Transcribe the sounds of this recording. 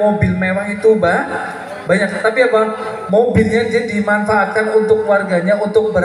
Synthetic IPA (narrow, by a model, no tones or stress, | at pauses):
mobɪlmewaɦit̪ubah | baɲak̚at̪apiapa | mobilɲad͡ʒadimanfaːt̪̚kanunt̪ʊkwarɡaɲaunt̪ʊk̚bəɾ